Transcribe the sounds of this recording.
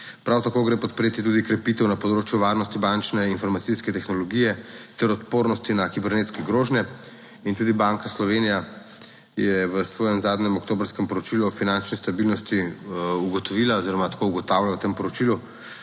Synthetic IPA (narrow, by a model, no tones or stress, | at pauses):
pɾawt̪akoːɡɾepɔt̪̚pɾeːt̪it̪ud̪ikɾɛpit̪ɛwnapɔd̪ɾoːt͡ʃjuʋaɾnɔst̪ibant͡ʃnɛinfɔɾmat̪siskɛt̪ɛxnɔlɔɡijɛt̪ɛɾɔt̪poːɾnɔst̪inakibɛɾneːt̪skɛɡɾoːʒnjɛ | int̪uːd̪ibaŋkaslɔʋeːnija | jɛʋəsʋɔːjɛmzaːd̪ɲɛmɔkt̪oːbɾskɛmpɔɾɔt͡ʃiluɔfinant͡ʃnist̪abilnɔst̪iuɡɔt̪ɔʋilaɔziɾɔmat̪ḁkouɡɔt̪awlaawt̪eːmpɔɾɔt͡ʃilu